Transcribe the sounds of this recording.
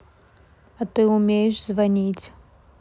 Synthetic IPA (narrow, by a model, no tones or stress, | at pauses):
ɐt̪ɨumʲejɛʂzvanʲit͡sʲ